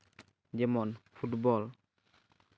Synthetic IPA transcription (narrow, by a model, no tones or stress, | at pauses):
d͡ʒɛmɔnfʰutbɔl